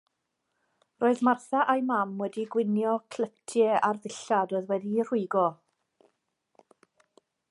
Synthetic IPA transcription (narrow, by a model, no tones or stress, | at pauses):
roːɨðmarθaʔajmamwɛdiɡwɪnjɔkʰl̥ətʰjɛʔarðɪɬadɔɨðwɛdir̥ʊɨɡɔ